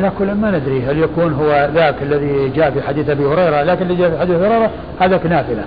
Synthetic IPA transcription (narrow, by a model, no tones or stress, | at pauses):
lakʊlːmanɪd̪ɾiɦaljakuːnɦʊwːaðaːkalːaðid͡ʒaːʔfiħad̪iːθʔabihʊɾejɾˤalaːkɪnɪlːid͡ʒaːʔfiħad̪iːθhʊɾejɾˤɑ | haːd̪aknaːfɪla̰